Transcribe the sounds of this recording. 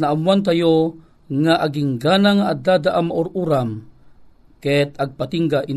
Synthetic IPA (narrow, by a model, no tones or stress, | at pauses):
naʔamwant̪̬ajo | ŋaʔaɡɪŋɡaːnaŋaʔad̪ad̪aʔamaʔʊɾʔuɾam | kɛt̪aɡ̚pat̪iŋɡaʔi